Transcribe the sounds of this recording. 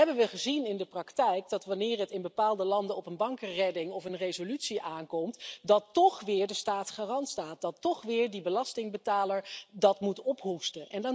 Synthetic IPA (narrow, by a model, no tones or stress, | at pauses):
ɛbənʋəχəzinɪndəprɑktɛjk̚dɑtʋɑnɪːrətɪnbəpaːlˠdəlɑndəɔpənbɑŋkərɛdɪŋɔfənrejzolytsiʔaːnkɔmtdɑtːɔχʋɪːɹdəstaːtχaːrɑntstaːt̚dɑtːɔχʋɪːɹdibəlɑstɪŋbətaːləɹdɑtmutɔpɦustəʔɛnd